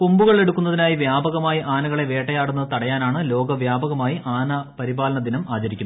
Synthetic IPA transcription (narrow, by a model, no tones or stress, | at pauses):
pumbuɣɐɭe̞ɽukʲːunːɐðinaːjiʋjaːbɐɣɐmaːjiʔaːnɐɣɐɭe̞ʋe̞ːʈːɐjaːɽunːɐt̪ɐɽɐjaːnaːɳɨlo̞ːɡɐʋjaːbɐɣɐmaːjiʔaːnɐpɐɾibaːlɐɳɐd̪inɐmaːt͡ɕɐɾikʲːunɐɐ